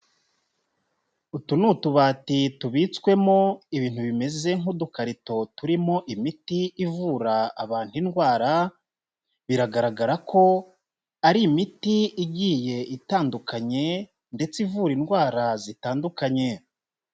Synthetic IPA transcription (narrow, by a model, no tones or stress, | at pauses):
utunutuβaːtituβit͡skwe̞mo̞iβiːn̥huβime̞ze̞ŋudukaɾito̞tuɾimo̞ʔimitiivuːɾaːβaːn̥hinɡwaːɾa | βiɾaɡaɾaɡaɾako̞ | aɾiːmitiiɟiːje̞itaːndukʰaɲe̞ | nde̞t͡sivuɾinɡwaːɾazitaːndukaɲe̞